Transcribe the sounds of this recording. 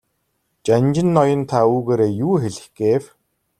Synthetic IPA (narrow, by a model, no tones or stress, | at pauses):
t͡ɕanʲt͡ɕɪ̆nːɔjɞ̆nt̪ʰauːɣeːɾeːjuːxeɮɘ̆xɡ̥eːw